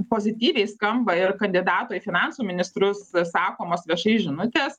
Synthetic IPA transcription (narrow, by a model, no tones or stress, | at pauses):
poːzʲɪt̪ʲiːʋʲɛɪskɐmbɐɪrkɐnʲd̪ʲɪd̪ɑːt̪oːifʲɪnɑnsuːmʲɪnʲɪst̪ɾʊssɑːkoːmoːsʋʲiɛʃɐɪʒʲɪnʊt̪ʲeːs